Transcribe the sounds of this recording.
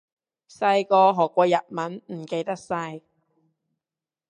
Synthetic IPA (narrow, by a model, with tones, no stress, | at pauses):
sɐ˧jkɔː˧ɦɔː˨˩kʷːɔː˧jɐ˨t̚mɐ˨˥nm̩˨˩ke˧jt̪ɐ˥k̚sɐ˧j